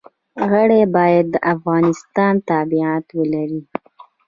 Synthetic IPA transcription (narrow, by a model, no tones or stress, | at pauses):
ɣəɽebɑjad̪̚ːəʔafɣɑnɪst̪ɑnt̪ɑbiat̪wəlaɾi